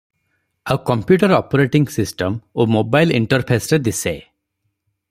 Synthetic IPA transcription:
awkɔmpjuʈɔɾɔpɔɾeʈiŋsisʈɔmomobajlḭɳʈɔɾpʰesɾed̪ise

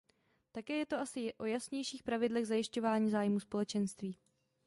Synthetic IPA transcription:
t̪akɛːjɛt̪o̞ʔasɪʔo̞jasɲɛjʃiːxpɾavɪdlɛɣzajɪʃco̞vaːɲiːzaːjmuːspo̞lɛt͡ʃɛnst̪viː

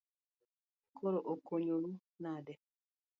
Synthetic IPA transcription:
kʰoɾoʔokoɲoɾu | nadɛ

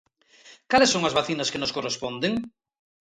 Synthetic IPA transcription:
kalesːoŋɐzβaθinɐskenoskorespond̪eŋ

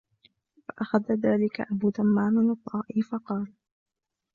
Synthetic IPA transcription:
faʔaxaðaðaːlɪka̰ʔabuːt̪amːaːnanɨt̪ˤːɑːʔiːfɑqɑːl

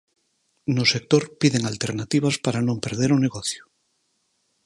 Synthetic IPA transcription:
nosek̚t̪oɾpiðeŋalt̪eɾnat̪iβ̞aspaɾanõmpe̞ɾð̞eɾoneɣoθjo̥

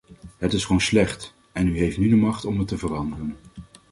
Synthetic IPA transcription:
ɦətɪsχʋownslɛχt | ɛnyɦejftnydəmɑχtɔmətəvərɑndərən

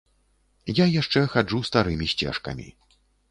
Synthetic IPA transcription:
jajaʂt͡ʂɛxad͡ʐust̪aɾɨmʲisʲt͡sʲɛ̰ʂkɐ̰mʲḭ

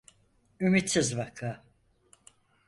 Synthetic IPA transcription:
ymit̪sizβakʰa

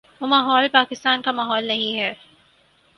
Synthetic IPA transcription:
ʋoːmaːɦɔːlpaːkɪst̪aːnkamaːɦɔːlnɐɦĩɦɛː

